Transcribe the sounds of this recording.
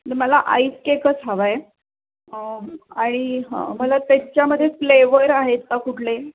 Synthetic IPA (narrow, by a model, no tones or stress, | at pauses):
neməlaʔa̰iskekət͡sɦaʋaj | əaɽ̃iɦã̰məlat̪jaɲt͡ɕjaməd̪ʱːjefleʋəɾaɦet̪ːakuʈʰle